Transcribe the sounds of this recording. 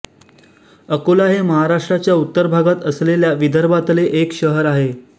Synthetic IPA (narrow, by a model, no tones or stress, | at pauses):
əkolaɦeməɦaɾaʂʈɾat͡ɕjaut̪ːəɾbʱaɡat̪əsleljaʋid̪ʱəɾbat̪leʔekɕəɦəɾaɦe